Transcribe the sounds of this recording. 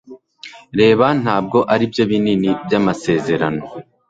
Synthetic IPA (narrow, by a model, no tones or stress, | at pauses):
ɾe̞ːβan̥haːb̚ɡo̞ʔaɾibjo̞βininibjamase̞ːze̞ɾano̞